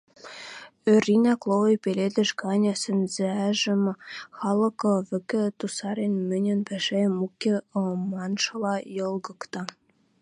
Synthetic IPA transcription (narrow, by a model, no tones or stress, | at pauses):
ørʲinæklˠowɤ̆jpelʲed̪ɘ̆ʃkɑnʲɑsɘ̆nzĕæʒɘ̆mxɑlˠɤ̆kɤ̆βɘ̆kɘ̆t̪usɑɾenmɘ̆nʲɘ̆npæʃemukʲːeɤmɑnʃɤ̆lɑjɤ̆lˠɡɤ̆kt̪ɑ